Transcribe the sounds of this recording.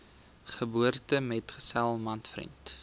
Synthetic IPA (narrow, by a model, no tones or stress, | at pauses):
χəbuərtəmɛtχə̥sælˠmɐntfrḭnt